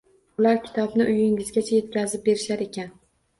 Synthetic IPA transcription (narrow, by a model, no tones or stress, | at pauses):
ʊlaɾkʲɪ̥t̪ʰɒbnɪʔʊjɪŋɪzɡʲat͡ʃʰaje̞t̪̚kʲʰazɪp̚be̞ɾɪʃaɾe̞kʲʰan